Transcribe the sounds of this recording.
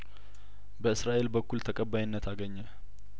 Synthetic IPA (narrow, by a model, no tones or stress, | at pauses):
bəɨsɾaʔe̞lbəkːult̪ʰəkʼəbːajɪnːət̪ʰaɡəɲːə